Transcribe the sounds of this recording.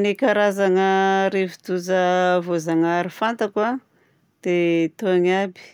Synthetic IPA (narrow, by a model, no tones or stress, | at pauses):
nekaɾazaŋəɾevid̪uzəvozaŋaɾifant̪aka | d̪̥et̪oaŋabi̥